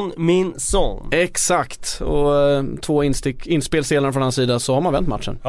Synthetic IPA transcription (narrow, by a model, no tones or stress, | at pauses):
nmɪnsɔ̰ŋnɛksakt̪ɔt̪ʰvoːɪnst̪ɪkɪnːspeːlseːlaɾəfɾɔnanːsiːd̪asɔhaɾmanvɛnt̪ːma̰t̪ʂə̰n